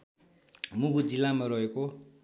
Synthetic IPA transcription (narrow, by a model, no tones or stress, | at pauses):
muɡud͡zilːamaɾʌɦeko